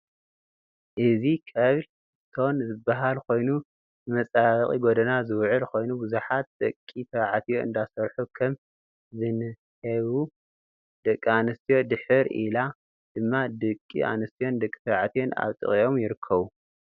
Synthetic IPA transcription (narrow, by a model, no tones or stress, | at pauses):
ʔɨzikʰɐβl | ɨt̪ʰo̞nzɨbːaɦalkʰo̞jnu | ɨmɐt͡sʼaβɐχʼḭɡod̪ɐnazɨwʕʊlko̞jnubɨzuħat̪̚d̪̥ɐkʼːit̪ʰɐβʕat̪ʰijo̞ɨ̰nd̪asɐɾħukʰɐm | zɨnɨ | hɐβu | d̪ɐkʼːianɐst̪ʰijo̞d̪ɨħɨɾḭla | d̪̥ɨmːad̪ɨkʼːḭʔa̰nɨst̪ʰijo̞nd̪ɐkʼːi̥t̪ʰɐβʕat̪ʰijo̞na̰βt̪ʼɨ̰χʼijo̞mjɪɾɨkʰːɐβu